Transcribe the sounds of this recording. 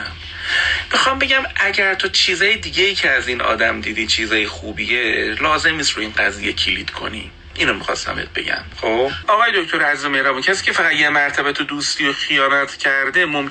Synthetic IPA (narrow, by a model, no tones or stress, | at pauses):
mixɒːmbe̞ɟæmʔæɟæɾt̪ʰot͡ʃʰiːzɒːjed̪iːɟejiːcʰeæziːnɒ̰ːd̪æmd̪iːd̪iːt͡ʃʰiːzɒːjexuːbielɒːze̞mniːst̪ɾuiːnɢæziːjːecʰilḭd̪̥kʰo̞̰nḭː | ʔinomixɒ̰st̪æ̰mḛt̪̚be̞̰ɟæ̰mχobɒːɣɒːjed̪okt̪ʰo̞ɾæzizomehɾɒːbuːcʰæsiːcʲʰefæʁæd̪jemæɾt̪ʰæbæt̪ʰod̪uːst̪ʰiːjoxijɒːnæt̪ʰcʰæɾd̪e̞mom